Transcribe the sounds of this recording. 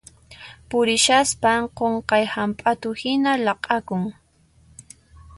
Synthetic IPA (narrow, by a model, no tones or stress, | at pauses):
pʊɾɪʃaspaqoɴqɑjhampʼat̪ʊhɪnalɑqʼɑkʊŋ